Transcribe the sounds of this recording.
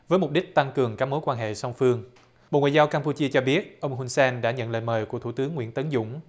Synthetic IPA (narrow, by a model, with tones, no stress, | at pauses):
vəː˨˦jmʊ˨˩k͡p̚ɗï˦˥k̟̚t̪a˧ŋkɨ˨˩əŋkaː˦˥k̚mo˨˦jkwaː˧nɦḛ˧˨sa˧wŋ͡mfɨ˧əŋ | ɓo̰˧˨ŋwa̰ː˨zaː˧wkaː˧mpu˧t͡ɕi˧ət͡ɕɔ˧ɓi˦˥ət̚ʔə˧wŋ͡mɦu˧nsɛː˧nɗa̰ː˧˥ɲə̰˧˨nlə̰ː˧˨jməː˨˩jku˧˩ət̪ʰu˧˩t̪ɨ˨˦əŋːwḭ˧˥ənt̪ə˨˦nzʊ̰˧˥ŋ͡m